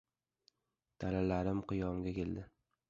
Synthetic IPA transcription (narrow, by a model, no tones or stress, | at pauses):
d̪̥alalaɾɪmqʊjɒmɡʲakʲe̞ld̪ɪ